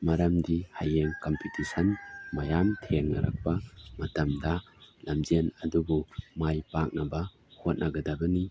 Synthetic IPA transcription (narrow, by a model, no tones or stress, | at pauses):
maɾɐmdihajeŋkompʰitisɐnmajamtʰeŋna̰ɾʔa̰k̚pamɐtɐmda | lamzenɐdubumajpak̚nabɐ | hot̚nʔaɡɐdabɐni